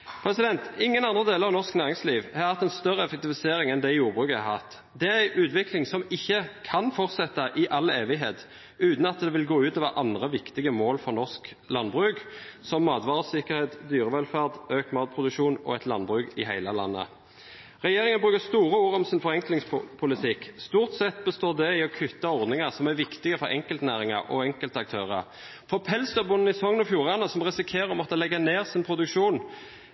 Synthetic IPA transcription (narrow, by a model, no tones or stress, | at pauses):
pʰʁɛsɪd̪ɛnt̪ɪŋːənɑnd̪ʁəd̪eːləʁɑʋnɔʁsknæːʁɪŋsliːʋhɑʁhɑt̪ːæɪnst̪œʁːəɛfɛk̚t̪ɪʋɪseːɾɪŋɛnd̪ɛjuːʁbʁʉːkəæhɑt̪ː | d̪ɛææɪʔʉːt̪ʋɪklɪŋsɔmɪçːəkʰɑnfɔʁt̪sɛt̪ːɑʔɪʔɑleːʋɪɦeːt̪ | ʉːt̪n̩ɑt̪̚d̪ɛʋɪlɡoːʉːt̪ɔʋɑːʔɑnd̪ʁəʋɪkt̪ɪɡəmoːlfɔʁnɔsk | lɑnbʁʉːɡsɔmːɑːd̪ʋɑːʁəsɪkəʁheːt̪d̪yːʁəʋɛlfæʁd̪øːkmɑːt̪̚pʰʁʊd̪ʉkʃuːnɔ̰ɛt̪lɑnbʁʉːɡɪhæɪləlɑ̰nːə̰ | ʁɛjeːʁɪŋənbʁʉːkəst̪uːʁəuːʁɔmsɪnfɔʁɛŋklɪŋspʰʊlɪt̪ʰɪkst̪uːʁt̪sɛt̪ːbəst̪oːʁd̪ɛɪɔkʰʏt̪ːɑɔʁd̪nɪŋəʁsɔmæʋɪkt̪ɪɡəfɔɾɛ̰ŋkəlt̪næːʁɪŋɑ̰ʁʔɔ̰ɛŋkəlt̪ɑk̚t̪ʰøːʁəʁ | fɔʁpʰɛlsd̪œbʊnn̩ɪsɔŋənɔfjuːʁɑnəsɔmʁɛsɪkʰeːʁəmɔt̪ːəlɛɡːəneːʁsɪnpʰʁʊd̪ʉkʃuːn